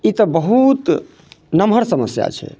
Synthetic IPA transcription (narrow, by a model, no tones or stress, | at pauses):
it̪əbəɦut̪ | nəmɦəɾsəməsja̰t͡ʃʰɛ̰